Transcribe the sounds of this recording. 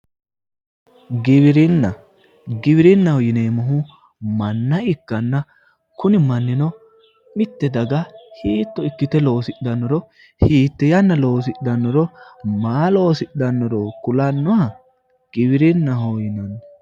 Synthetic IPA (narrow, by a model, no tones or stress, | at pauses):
ɡɪβɪɾɪnːɐ | ɡɪβɪɾɪnːɐhɔjɪneːmɐɦʊ | mɐnːɐɪkːɐnːɐ | kʊnɪmɐnːɪnɔ | mɪt̪ːɛd̪ɐɡɐhiːt̪ːɔɪkːɪt̪ɛlo̞ːsɪɗd̪ɐnːɔɾɔ | hiːt̪ːɛjɐnːɐlo̞ːs̬ɪɗd̪ɐnːɔɾɔmaːlo̞ːsɪɗdɐnːɔɾɔkʊlɐnːɔhɐ | ɡ̥ɪβɪɾɪnːɐɦojɪnɐnːɔ